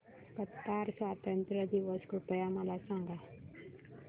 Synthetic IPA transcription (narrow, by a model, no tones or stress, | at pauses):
kət̪ːaɾsʋat̪ənt̪ɾəd̪iʋəskɾupəjaməlasãŋɡa